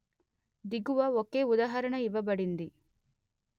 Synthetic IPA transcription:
d̪iɡuʋɐokːeːud̪aːɦɐɾɐɳɐiʋɐbɐɽind̪i

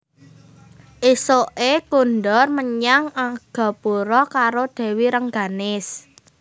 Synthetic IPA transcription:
ʔisoʔekunɖɔrməɲaŋaɡ̥ɔ̤puɾɔkaɾod̪̥ɛ̤wiɾəŋɡa̤nɪs

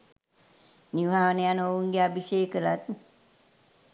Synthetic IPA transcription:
niʋʱaːʋənejanouŋɡeabisejkəlat̪̚

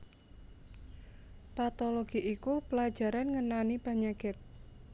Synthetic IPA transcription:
pat̪ɔloɡ̥iʔikupəlad̥d͡ʒ̥a̤ɾanŋənanipaɲakɪt̪̚

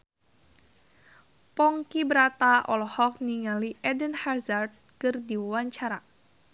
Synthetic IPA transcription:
pɔŋkibəɾat̪aʔɔlɔhɔk̚niŋaliʔɛdənharzard̪̚kɨrdiwaɲt͡ʃaɾa

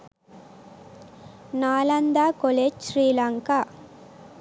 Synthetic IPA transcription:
naːlɐnd̪aːkoleːd͡ʒʃɾiːlɐŋka

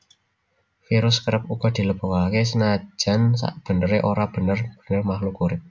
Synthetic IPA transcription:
fiɾʊskəɾəp̚uɡ̥ɔ̤d̪̥i̤ləb̥ɔkaakesənḁd͡ʒ̥a̤nsa̰ʔb̥ə̤nəɾeʔoɾab̥ə̤nərb̥ə̤̥nərmahlukuɾɪp̚

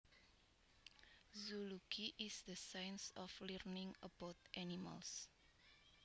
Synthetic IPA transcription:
zulukʰiʔisd̪əsãjnsɔflɛrnĩŋəbat̪̚ʔɛnima̰ls

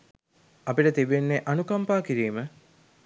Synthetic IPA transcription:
ɐpiʈət̪iʋenːeʔanukɐmpaːkiɾiːmə

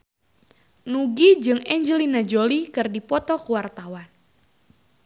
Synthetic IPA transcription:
nuɡid͡ʒɨŋɛɲd͡ʒəlinad͡ʒolikɨrdipɔt̪ɔkuwart̪awan

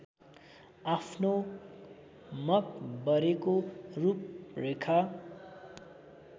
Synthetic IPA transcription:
apʰno | mʌkbʌɾekorup̚rekʰa

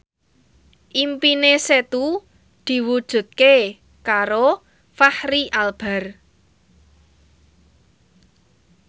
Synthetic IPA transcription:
ʔimpineset̪u | d̪̥i̤wud̥ʒ̥ṳt̪̚ke | kaɾo | fahɾiʔalb̥a̤r

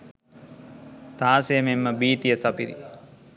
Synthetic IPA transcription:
t̪aːsejəmemːəbiːt̪ijəsapiɾḭ

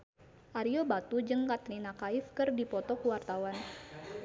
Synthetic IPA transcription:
ʔaɾiobat̪ud͡ʒɨŋkat̪linakaifkɨrdipɔt̪ɔkuwart̪awan

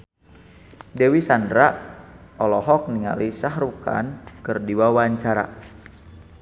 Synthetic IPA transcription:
dewisandɾa | ɔlɔɦɔk̚niŋa̰lisaɦɾuka̰nkərdiwawaɲt͡ʃaɾa̰

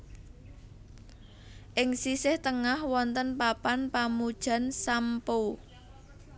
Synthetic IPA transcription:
ʔɪŋsisɪht̪əŋahwɔnt̪ənpapanpamud̥ʒ̥ä̤nsampo

